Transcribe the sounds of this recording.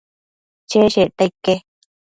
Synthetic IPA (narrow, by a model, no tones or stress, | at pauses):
t͡ʃeʃet̪aikːe